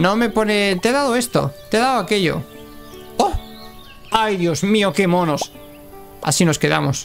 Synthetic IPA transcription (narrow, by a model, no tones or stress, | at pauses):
nome̞ponet̪eðaðoest̪o̰t̪eðawakeʎo̰ | o | ajðjozmiokemonos | a̰sino̞skeða̰mos